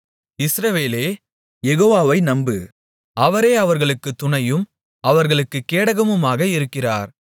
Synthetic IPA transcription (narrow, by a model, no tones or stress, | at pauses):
ɪsɾɐʋeːleː | jɛɣoːʋaːʋɐɪnɐmbɯ̰ | ʔɐʋɐɾeːɐʋɐɾɣɐɭɯkːɯt̪ːʊɳɐjɯm | ɐʋɐɾɣɐɭɯkːɯkːeːɽɐɣɐmɯmaːɣɐɪɾɯkːɪraːɾ